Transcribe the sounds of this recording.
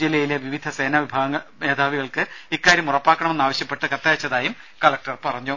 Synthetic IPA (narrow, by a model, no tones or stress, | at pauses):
d͡ʑilːɐjileʋiʋid̪ʱɐse̞ːnaʋibʱaːɡɐŋːɐɭmeːd̪ʱaːʋiɣɐɭkɨikːaːɾjɐmurɐpːaːkːɐɳɐme̞nːaːʋɐɕjɐpːe̞ʈːɨkɐt̪ːaːt͡ɕːɐðaːjum | kɐlɐk̚ʈɐrpɐrɐɲːu